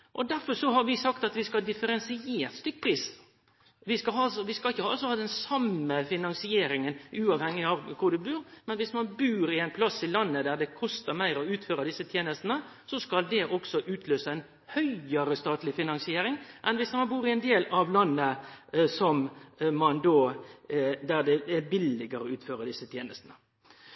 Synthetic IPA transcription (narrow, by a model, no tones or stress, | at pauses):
ʔɔd̪æɾfɔɾʂɔɦɑɾʋɪsɑkt̪ɑt̪ʋɪskɑd̪ɪfəɾɛnsɪeːɾt̪st̪ʏkːpʰɾiːs | ʋɪskɑɦɑsɔʋɪskɑɪçːəhɑlsɔhɑːd̪ɛnsɑmːəfɪnɑnsɪeːɾɪŋənʉːɑʋhɛŋːɪɑʋkʰʊɾd̪ʉbʉːɾmɛnʋɪsmɑnbʉːɾɪæɪnpʰlɑsɪlɑnːəd̪æɾd̪ɛkʰɔst̪əɾmæɪɾɔʉːt̪føːɾɑd̪ɪsːət̪ʰjeːnəst̪nə | sɔskɑld̪ɛʔɔksɔʔʉːt̪ʰløːsəɛɪn | hœʏəɾəst̪ɑːt̪lɪfɪnɑŋsɪeːɾɪŋmʔɛnʋɪsmɑnbuːɾɪɛnd̪eːlɑʋlɑnːəsɔmmɑnd̪oː | d̪æɾd̪ɛɛbɪlɪɡəɾɔʉːt̪føːɾəd̪ɪsːət̪ʰjeːnəst̪nə